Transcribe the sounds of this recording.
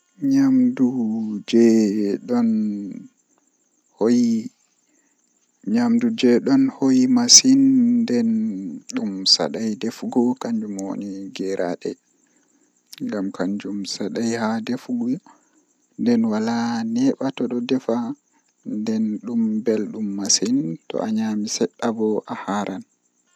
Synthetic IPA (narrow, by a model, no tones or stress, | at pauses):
ɲamdud͡ʒɛɗɔn | hoji | ɲamdud͡ʒɛɗɔnhojimasinːdɛnɗumsa̰ɗajdefɡɔkaɲd͡ʒumwo̰niɡɛɾʔa̰ɗɛ̰ | ŋɡamkaɲd͡ʒumsaɗajhadefɡɔ | ndɛnwalanɛɓatɔɗɔdɛfa | ndɛnɗumbɛlɗumːasintɔ̰ʔaɲamisɛɗːabɔʔahaɾʔan